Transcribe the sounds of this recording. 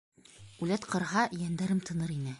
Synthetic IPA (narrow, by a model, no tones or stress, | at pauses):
ʉlæt̪qɤ̆ɾɦɑjænd̪æɾɘmt̪ʰɤ̆nɤɾinɘ